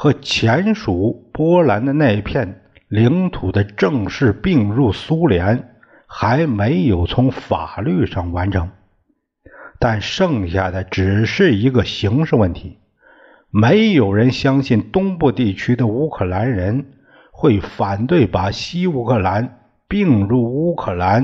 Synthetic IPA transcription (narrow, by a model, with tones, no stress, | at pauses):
xɤ˧˥t͡ɕʰjɛ˧˥nʂu˨˩˦pwɔ˥la˧˥nd̪ə˧na˥˧i˧˥pʰjɛ˥˩n | li˧˥ŋt̪ʰu˨˩d̪ə˦ʈ͡ʂɤ˥˧ŋʂɻ̩˥˧pi˥˧ŋɻu˥˩su˥ljɛ˧˥n | xa˧˥ɪme˧˥ɪjo˨˩ʊt͡sʰʊ˧˥ŋfa̰˨˩ly˥˧ʂɑ˥˩ŋwa˧˥nʈ͡ʂʰɤ˧˥ŋ | t̪a˥˩nʂɤ˥˧ŋɕja˥˩d̪ə˩ʈ͡ʂɻ̩˨˩ʂɻ̩˥˩i˧˥ɡə˧ɕi˧˥ŋʂɻ̩˥˧wə˥˩nt̪ʰi˧˥ | me˧˥ɪjo˨˩ʊɻə˧˥nɕjɑ˥ŋɕi˥˩nt̪ʊ˥ŋpu˥˧t̪i˥˩t͡ɕʰy˥d̪ə˨u˥kʰɤ˥˩la˧˥nɻə˧˥n | xwe˥˩ɪfa˨˩nt̪we˥˩ɪpa˨˩ɕi˥u˧˥kʰɤ˥˩la˧˥n | pi˥˧ŋɻu˥˩u˥kʰɤ˥˩la˧˥n